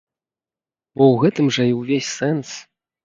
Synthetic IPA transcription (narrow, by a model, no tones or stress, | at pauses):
bɔwɣɛt̪ɨmʐɐiwvʲesʲsɛns